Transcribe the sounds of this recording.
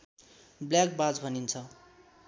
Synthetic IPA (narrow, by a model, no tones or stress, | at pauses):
bljak̚bad͡zbʱʌnint͡sʰʌ